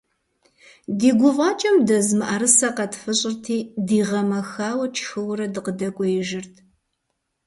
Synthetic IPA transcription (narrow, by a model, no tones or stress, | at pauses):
diːɡʷʊvɑːt͡ʃʼɐmdɐzmɨʔaɾɨsɐqɐtʰfɨɕʼɪrtʰiːdiːʁɐmɐxaːwɐt͡ʃʰʼxɨwɾɐdɨqədɐkʷʼɔjɪʒɪrtʰ